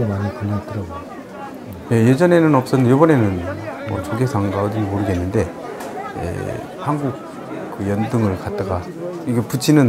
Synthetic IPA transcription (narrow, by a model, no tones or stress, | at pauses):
emanikɯɭːat͈ɯɾʌɡojo | je̞je̞d͡ʑʌne̞nɯnʌp̚s͈ʌnjobʌne̞nɯnmʌ̰t͡ɕoɡesʰaŋɡaʌdinimoɾɯɡe̞nːɯnde̞ | jḛ | hanɡuk̚ | k͈ɯjʌndɯŋɯɭkat̚t͈aɡa | iɡeput͡ɕʰinɯn